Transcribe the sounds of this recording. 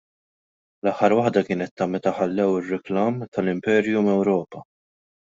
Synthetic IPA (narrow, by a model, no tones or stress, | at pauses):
lɐħːɐɾwɐħd̪ɐkɪːnɛt̪ːɐmɛt̪ɐħɐlːɛwɪrːɪklɐːmt̪ʰɐlɪmpɛːɾjumɛwɾɔːpɐ